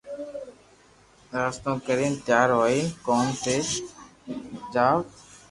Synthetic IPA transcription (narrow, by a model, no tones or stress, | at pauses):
ɾaːst̪õːkəɾẽːnt̪jaːɾɦoːĩːkoːnt̪eː | d͡ʒaːʋ